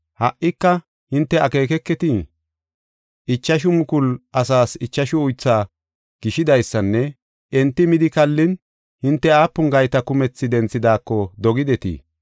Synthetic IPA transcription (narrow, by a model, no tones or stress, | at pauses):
hɐʔʔːɪkːɐ | hɪnt̪ːɛɐke̞ːkɛkːɛt̪i | ɪt͡ʃːɐʃ̬ʊmʊkʊlʔɐsaːsɪt͡ʃːɐʃʊʊjt͡sːaː | ɡ̥ɪʃɪd̪ɐjsːɐnːɛ | ʔɛnt̪ːɪmɪd̪ɪkɐlːɪn | hɪnt̪ːɛaːpːʊŋɡɐjt̪ɐkʊmɛt͡sːɪd̪ɛnt͡sːɪd̪aːkːɔd̪ɔɡɪd̪ɛt̪ḭː